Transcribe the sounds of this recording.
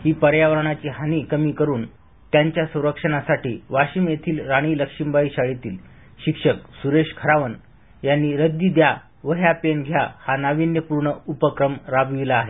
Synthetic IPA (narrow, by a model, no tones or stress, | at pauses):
hiːpəɾjaʋəɾɳ̃at͡ɕiːɦaniːkəmiːkəɾuːn | t̪jaɲt͡ɕjasə̃w̃ɾəkʂəɳasaʈḭːʋaɕiːmjet̪ʰiːlɾaɽ̃iːləkʂimbaiɕaɭit̪iːl | ɕikʂəksuɾeʂkʰəɾaʋən | janːiːɾəd̪id̪ja | ʋəɦjapenɡʱjahanaʋinjəpuɾɳəupəkɾəmɾabʋilaːɦe